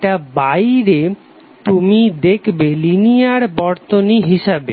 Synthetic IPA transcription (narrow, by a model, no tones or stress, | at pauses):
abajɾe | t̪umid̪ekʰbelinijaɾbɔɾt̪oniɦiʃabe